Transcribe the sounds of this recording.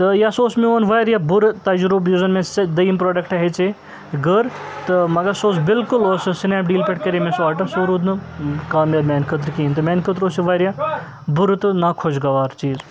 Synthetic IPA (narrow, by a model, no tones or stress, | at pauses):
t̪ɐjasoːsmẽoːnʋɐjɾjabʊɾt̪ɐd͡ʒɾubjuːzɐnmẽd̪ɐːmpɾoːɖɐkʈɐɦet͡ʃe | ɡəɾ | t̪ɐmɐɡɐɾsoːsbɪlkʊloːssɪneːpɖiːlpeʈkɐɾemẽsʋaːʈɐsoːɾud̪nɨkaːmjaːd̪mʲeːnkʰət̪̬ɾkiːnt̪ɐmeːnkʰət̪̬ɾoːsiʋɐːɾja | bʊɾt̪ɨnɐkʰod͡ʒɡɐʋaːɾt͡ʃiːz